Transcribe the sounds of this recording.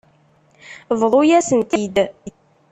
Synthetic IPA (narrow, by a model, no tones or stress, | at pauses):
vðˤojæsənt̪id̪